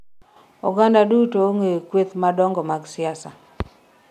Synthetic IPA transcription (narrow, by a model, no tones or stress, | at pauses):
ɔɡandadutoŋekwet̪madɔŋɡɔmaɡsɪasa